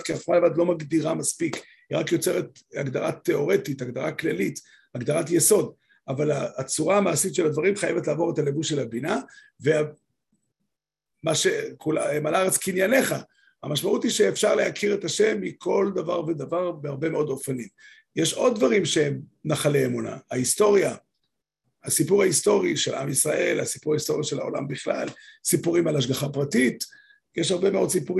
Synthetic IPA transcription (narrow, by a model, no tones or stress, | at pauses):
tkiafmalevad̪lo̞maɡd̪iʁamaspik | hiʁakjo̞t͡se̞ʁet̪ | aɡd̪aʁat̪ːe̞o̞ʁe̞titaɡd̪aʁaklalit | aɡd̪aʁatjeso̞d̪ | avalaːt͡suʁaːmaːsitʃelad̪vaʁimχajevetlaːvo̞ʁetale̞vuʃelabina | vea | maʃekulaemalaʁet͡skinjane̞χa | hamaʃmaʔut̪iʃeːfʃaʁlehakʰiʁe̞taʃe̞mːikʰo̞ld̪avaʁved̪avaʁbehaʁbe̞meo̞d̪o̞fanim | jeʃo̞d̪̚dvaʁimʃeemnaχaleemuna̰aisto̞ʁja | hasipuʁaist̪o̞ʁiʃe̞lʔa̰misʁaʔe̞lasipuʁaist̪o̞ʁijaʃela̰o̞̰la̰mbiχla̰lsipuʁimalaʃ̬ɡaχapʁatit̪ | jeʃhaʁbe̞me̞o̞dsipuʁi